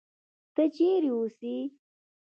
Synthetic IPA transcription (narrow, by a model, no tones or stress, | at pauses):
t̪ət͡ʃeɾiusi